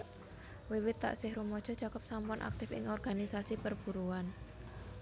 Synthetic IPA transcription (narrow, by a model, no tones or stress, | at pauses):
wiwɪt̪ːa̰ʔsɪhɾumɔd̥ʒ̥ɔ̤d̥t͡ʃakɔp̚sampʊnʔa̰k̚t̪ɪfɪ̰ŋɔrɡ̥anisasipərb̥ṳɾuan